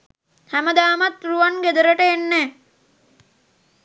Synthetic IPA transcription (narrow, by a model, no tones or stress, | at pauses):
hæməd̪aːmat̪ruʋanɡed̪əɾəʈəenːɛː